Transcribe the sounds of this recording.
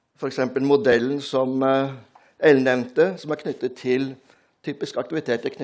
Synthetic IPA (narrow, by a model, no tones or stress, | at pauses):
fɔɾɛksɛmpəlmʊd̪ɛlːn̩sɔm | ɛlnɛʋnt̪əsɔmæɾkʰnʏt̪ːət̪ʰːɪl | t̪ʰyːpɪskɑkt̪ɪʋɪt̪ʰeːt̪ʰːəkʰn